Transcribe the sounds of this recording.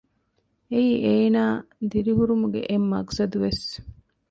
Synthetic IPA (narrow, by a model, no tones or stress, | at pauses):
eiːʔeːnaːd̪iɾiɦuɾumuɡḛʔemːɐksɐd̪uʋes